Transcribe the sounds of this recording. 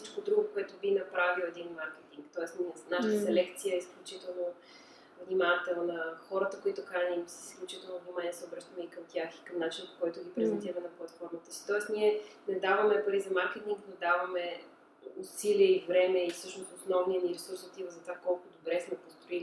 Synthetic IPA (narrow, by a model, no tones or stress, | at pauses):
sit͡ʃkod̪ɾuɡʊkoɛt̪ovinɐpɾavilˠɛd̪inmaɾkɛt̪iŋkt̪ɔɛsninaʃt̪əsɛlɛkt̪sijəisklʲut͡ʃit̪ɛlˠno | vnʲimat̪ɛlˠnnəxɔɾət̪əkoit̪okanimsɛisklʲut͡ʃit̪ɛlˠnovnʲimanʲiɛsɛobɾɤʃt̪əmɛikəmt̪ʲjaxi̥kəmnat͡ʃinəpo̥kɔjt̪ʊɡipɾɛzɛnt̪iɾəmɛnɐplˠɐt̪fɔɾmət̪ə̥si̥t̪ɔɛsniɛnɛd̪avəmɛpɐɾizɐmaɾkɛt̪iŋɡd̪ɐd̪avɐmɛ | ʊsiliəivɾɛmɛifsɤʃnost̪osnɔvniəniɾɛsuɾsot̪ivəzɐt̪vakɔlˠkʊd̪obɾɛsmɛpost̪ɾoili